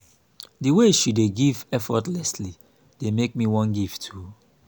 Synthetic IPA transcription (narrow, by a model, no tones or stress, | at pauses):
diweʃudeɡivɛfɔtlɛsli | d̥emek̚miwɔ̃nɡivtʰu